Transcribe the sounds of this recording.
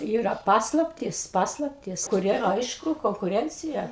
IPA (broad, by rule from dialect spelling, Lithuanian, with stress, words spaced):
ˈiːrɐ ˈpɑːslˠɐpʲtʲiːs ˈpɑːslˠɐpʲtʲiːs kʊˈrʲiɛ ˈɐɪʃkʊ koːŋkʊˈrʲɛnʲt͡sʲɪjɛ